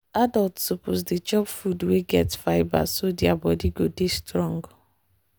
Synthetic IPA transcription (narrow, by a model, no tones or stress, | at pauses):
adɔltsoposdit͡ʃɔpfudweɡɛtfaɪba̰sodiabɔdiɡodestɾɔ̃ŋɡ